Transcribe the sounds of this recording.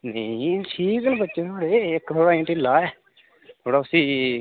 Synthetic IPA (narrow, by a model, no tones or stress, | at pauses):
nəsʰiːɡəlbətːt͡ʃeːt̪ʰoːɽeːɪkt̪ʰoːɽaːɪ̃ːʈɪlaːɛː | t̪ʰoːɽaːʊsĩː